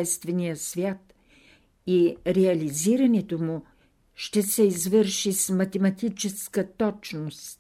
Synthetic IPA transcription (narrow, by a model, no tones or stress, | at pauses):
ɛst̪vɛnijəsvʲjat̪ | iɾɛɐliziɾɐnɛt̪omu | ʃt̪ɛsɛizvəɾʃismɐt̪ɛmɐt̪it͡ʃɛskət̪ɔt͡ʃnost̪